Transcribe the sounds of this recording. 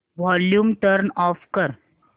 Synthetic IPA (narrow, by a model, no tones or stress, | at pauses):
ʋɔljuːmʈəɾnɔfkəɾ